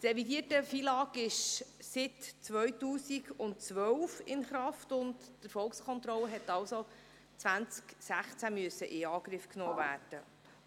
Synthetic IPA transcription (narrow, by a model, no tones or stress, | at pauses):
trɛvidiətəfiːlɑːkɪʃsɪtt͡sʋœɥtuːsiɡʊntt͡sʋœwfɪnχɾɑftʊndtəɾfɔlkskʰɔnt̪ɾɔlːəɦɛtɑlso | t͡sʋænt͡sksæχt͡sæmyəsːəʔɪɑːɡɾɪfknoːvæːrd̥ə